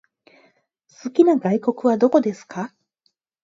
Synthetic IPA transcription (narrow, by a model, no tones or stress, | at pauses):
sɨkʲinaɡaiko̞kɯ̟βad̪o̞ko̞d̪e̞sɨ̥ka